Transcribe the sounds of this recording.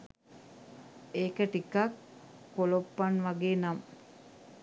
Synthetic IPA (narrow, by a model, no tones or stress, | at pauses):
eːkəʈikakː | olopːanʋaɡeːnam